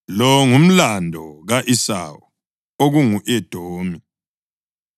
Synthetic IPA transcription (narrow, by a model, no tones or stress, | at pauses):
lɔŋum̩landʱɔɣaʔisa̰wɔ | oɣuŋuʔɛd̥ʱoːmi